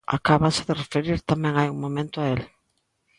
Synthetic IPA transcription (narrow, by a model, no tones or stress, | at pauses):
a̰kaβasɪðɪrefeɾiɾt̪amɛ̃ŋajuŋmõmẽnt̪ʊael